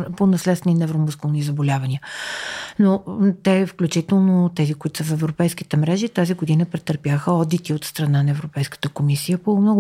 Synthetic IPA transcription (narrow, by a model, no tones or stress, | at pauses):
ponɐslɛt̪sɛninɛvɾomoskolˠnizəbolʲavəniə | not̪ɛfklʲut͡ʃit̪ɛlˠnot̪ɛzikʊit̪ʊ̥səfɛvɾopɛjsk̟it̪ɛmɾɛʒit̪aziɡod̪inəpɾɛt̪əɾpjaxəɔd̪it̪iot̪st̪ɾɐnanɐɛvɾopɛjskə̥t̪əkomisijəpomnɔɡ